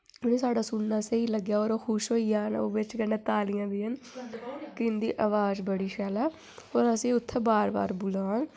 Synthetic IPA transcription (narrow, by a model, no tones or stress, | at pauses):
ʊnẽːsaːɽaːsunnaːsəiːləɡjaːoːɾoːxʰʊʃɦoːijaːno̰ːbɪt͡ʃkənãːt̪aːlɪjãːbiːən | kɪnd̪ḭːʔəʋaːd͡ʒbəɽiːʃɛːlaː | oːɾəsĩːʊt̪ʰːebaːɾba̰ːɾbʊlaːn